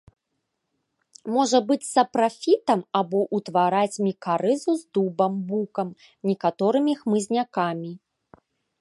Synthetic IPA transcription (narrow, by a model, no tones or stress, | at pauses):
mɔʐɐbɨt͡sʲsɐpɾafʲit̪ɐmabɔʔut̪vaɾat͡sʲmʲikaɾɨzuzd̪ubɐmbukɐm | nʲɛkat̪ɔɾɨmʲixmɨzʲnʲakamʲi